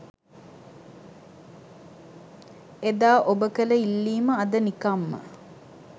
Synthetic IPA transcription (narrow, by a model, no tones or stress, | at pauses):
ed̪aːʔobəkələilːiːməɐd̪ənikɐmːə̰